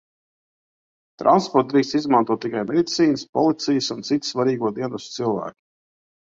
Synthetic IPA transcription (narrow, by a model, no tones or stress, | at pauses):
t̪ɾa̰nspɔɾt̪̚d̪ɾiːkst̪izmant̪uɔt̪ːikajmɛd̪it̪siːnəspɔlˠit̪sijəsunt̪sit̪svaɾiːɡuɔd̪iɛnust̪t̪silˠvæ̰ːkʲi̥